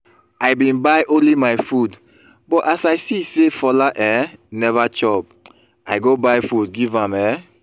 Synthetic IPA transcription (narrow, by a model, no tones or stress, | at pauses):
ajbĩnbajʔõnlimajfud | bɔtasajsisefɔlaʔɛnɛvat͡ʃɔb̚ | ajɡobajfud̚ɡivãmɛ